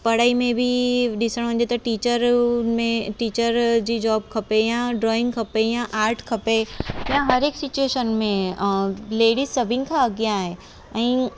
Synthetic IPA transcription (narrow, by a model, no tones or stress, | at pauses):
pɐɽ̤aːimẽbʱɪɗɪsəɽ̃ɦʊ̃ɲ̆d͡ʑet̪ɐʈiːt͡ɕəɾmẽʈiːt͡ɕəɾd͡ʑiːd͡ʑɔːb̚kʰɐpejãɖɾɔːɪ̃ŋɡkʰɐpejãʔaːɾʈʰkʰɐpejãɦɐɾeːksɪt͡ɕueːʃənmẽ | leːɽizsɐbʱɪnɪ̆kʰãɐɡijãːɦe | ɛ̃ː